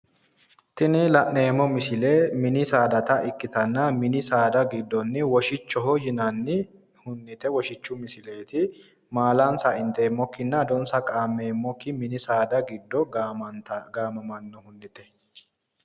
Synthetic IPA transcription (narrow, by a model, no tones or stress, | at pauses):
t̪ɪnɪlɐʔne̞ːmɔmɪsɪlemɪnɪsaːd̪ɐt̪ɐʔɪkːɪt̪ɐnːɐmɪnɪsaːd̪ɐɡɪd̪ːɔnːɪwɔʃɪt͡ʃːɔɦɔjɪnɐnːɪ | hʊnːɪt̪ɛwɔʃɪt͡ʃːʊmɪsɪle̞ːt̪ɪ | maːlansaɪnt̪e̞ːmːɔkːɪnːɐd̪ɔnsɐkʼaːmːe̞ːmːɔkːɪmɪnɪsaːd̪ɐɡɪd̪ːɔt̪ɐɡaːmɐmɐnːɔhʊnːɪt̪ɛ